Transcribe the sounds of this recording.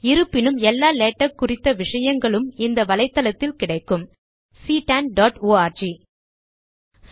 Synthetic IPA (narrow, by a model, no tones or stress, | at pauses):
ɪɾɯpːɪnɯmɛlːaːleːʈːɐkːʊrɪt̪ːɐʋɪʂɐjɐŋɡɐɭɯmɪnd̪ɐʋɐlɐɪt̪ːɐlɐt̪ːɪlkɪɽɐɪkːɯm | siːʈɐnɖaːʈoːaːɾd͡ʒi | s